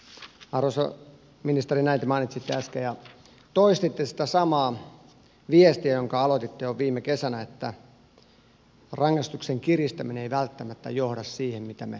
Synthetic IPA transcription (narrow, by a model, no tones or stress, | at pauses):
ɑroso̰ | minist̪erinæint̪emɑinit̪ʲsit̪ːeæskejɑ | t̪oist̪it̪ːesi̥t̪æsɑmɑː | ʋiest̪iæjoŋkɑɑlot̪it̪ːejoʋiːmːekesænæet̪ːæ | rɑŋːɑst̪ukseŋkirist̪æmineeiʋælt̪ːæmæt̪ːæ̰johɾɑssiːhemmit̪æmḛ